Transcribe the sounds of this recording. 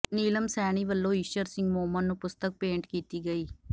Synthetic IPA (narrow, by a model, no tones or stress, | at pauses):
niːləmsɛːɽ̃iːʋəlːõːiːʃəɾsɪ̃ŋɡmoːmənːũːpʊst̪ək̚pẽːɳʈkiːt̪iːɡəiː